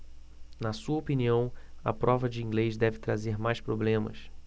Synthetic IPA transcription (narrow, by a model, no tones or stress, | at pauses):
nɐsuɐopiniɐ̃w̃ɐ̰pɾɔvɐd͡ʒɪĩŋɡlezd̪ɛvɪt̪ɾazeɾmajʃpɾoblẽmɐ̰s